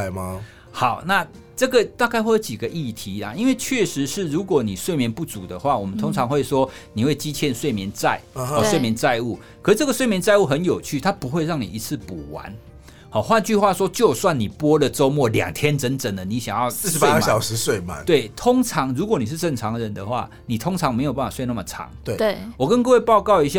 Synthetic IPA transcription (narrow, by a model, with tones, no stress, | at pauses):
ma˨ | xa˨˩˦ʊna˥˧ | ʈ͡ʂɤ˥˩ɡə˨t̪a˥˧ka˥˧ɪxwe˥˩jt͡ɕi˨˩ɡə˦ʔi˥˩t̪ʰi˨˦la̰˨i˦˥nwe˥˧ɪt͡ɕʰɥɛ˥˩ʂɻ̩˧˦ʂɻ̩˥˩ɻu˧˥kwɔ˨˧˦ni˨˩swe˥˩ɪmjɛ˧˦npu˥˩t͡su˨˩d̪ə˦xwa˥˩wɔ˨˩mə˦nt̪ʰʊ˥ŋt͡sʰɑ˧˥ŋxwe˥˩ɪʂwɔ˦˥ | ni˨˩we˥˩ɪt͡ɕi˥t͡ɕʰjɛ˥˧˨nswe˥˩ɪmjɛ˧˦nt͡sa˥˩ɪɔ˨swe˥˩ɪmjɛ˧˦nt͡sa˥˧ɪu˥˩kkʰə˨˩˥ʈ͡ʂə˥˩ɡə˩swe˥˩ɪmjɛ˧˦nt͡sa˥˧ɪu˥˩xə˧˦njo˨˩ʊt͡ɕʰy˥˨t̪ʰa˥pu˧˦xwe˥˧ɪɻɑ˥˩ŋni˨˩i˧˥t͡sʰɹ̩˥˩pu˨˩wa̰˧˦n | hɔ˨˩xwa˥˧nt͡ɕy˥˧xwa˥˨swɔ˥t͡ɕjo˥˧ʊswa˥˨nːi˨˩pwɔ˦˥lə˨t͡so˦ʊmwɔ˥˩ljɑ̰˨˩ŋt̪ʰjɛ˦˥nt͡sə˧˥nt͡sə˨˩nd̪ə˨˦ni˨˦ɕjɑ˨˩ŋjɑ˥˩ʊ˥˩˧sea˧˦˥ɡə˩ɕjɑ˨˩ʊʂɻ̩˧˦swe˥˩ɪma̰˨˦t̪we˥˩ɪt̪ʰʊ˥ŋʈ͡ʂʰɑ˧˦ŋɻu˧˥k̬wɔ˨˦ni˨˩ʂɻ̩˥˧ʈ͡ʂə˥˩ŋʈ͡ʂʰɑ˨˥ŋɻə˨˦nd̪ə˨xwa̰˥˩ | ni˨˩t̪ʰʊ˥ŋʈ͡ʂʰɑ˧˥ŋme˧˥ɪo˨˩pa˥˩fa˨˩we˥˧ɪ˧na˥˨mə˨˩ʈ͡ʂʰɑ̰˧˦˥ŋwe˥˩e˥˩wɔ˨˩kə˦nkɤ˥˧we˥˧ɪpɑ˥˧ʊkɑ˥˧ʊi˧˥ɕ̬ja˥